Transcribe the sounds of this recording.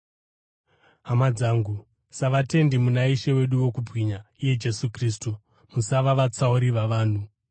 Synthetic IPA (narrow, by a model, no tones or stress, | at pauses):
ɦamad͡zaːŋɡu | saʋate̞ndimunaiʃe̞we̞ɗuwo̞kubwiɲaije̞d͡ʒe̞sukriːstu | musaʋaʋat͡sauɾiʋaʋaːn̤u